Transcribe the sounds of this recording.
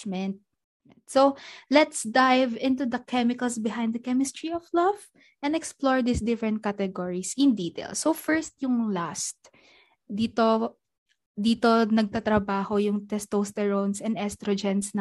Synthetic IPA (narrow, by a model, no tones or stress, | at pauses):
mɛnt̪̚ | solɛt̪sd̪ajvɪ̃nt̪ud̪ɐkʰɛmɪkɐlsbɪɦãjnd̪d̪ɐkɛmɪst̪ɹiɔflav | ʔɛ̃nd̪ɛksploɹd̪isd̪ɪfɾɹɛ̃nt̪̚kat̪ɛɡɔɹisɪ̃nd̪iːt̪ḛlsofɛɹst̪̚jʊŋlast̪̚ | d̪iːt̪o | d̪iːt̪onɐɡ̚t̪at̪ɾɐbaːhojʊŋt̪ɛst̪ost̪ɛɹonsɛ̃nd̪ɛst̪ɾod͡ʒɛnsnɐ